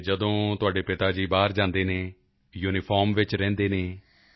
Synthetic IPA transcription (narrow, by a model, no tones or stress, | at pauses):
d͡ʒəd̪õːt̪ʊaːɖeːpɪt̪aːd͡ʒiːbaːɾd͡ʒãːnd̪eːneː | juːnɪpʰɔːɾmʋɪt͡ʃɾɛ̃ːnd̪eːneː